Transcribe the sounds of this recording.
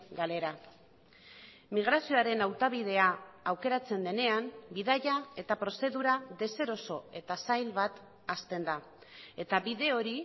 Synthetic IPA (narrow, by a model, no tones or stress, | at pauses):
ɡale̞ɾa | miɣ̞ɾasio̞aɾe̞nawt̪aβiðe̞aːwke̞ɾat͡se̞nd̪e̞ne̞ambiðaʝae̞t̪apɾo̞se̞ðuɾaðe̞se̞ɾo̞so̞e̞t̪asajlβat̪ | ast̪e̞nd̪a | e̞t̪aβiðe̞o̞ɾi